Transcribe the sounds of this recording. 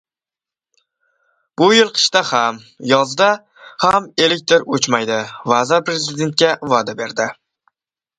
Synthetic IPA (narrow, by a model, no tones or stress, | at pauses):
b̥ʊjɪlˠqʰɨ̥ʃt̪aham | jɒzd̪a | hame̞lɪk̚ʲt̪ʰoɾot͡ʃmajd̪ɪvazaɾpɾezɪd̪e̞nt̪̚kʲavad̪abe̞ɾd̪ɪ